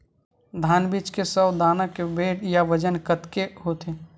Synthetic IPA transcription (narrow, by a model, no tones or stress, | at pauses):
d̪ʱaːnbit͡ʃkesəbd̪aːnakebeːʈjaʋəd͡ʒənkət̪keɦoːt̪ʰe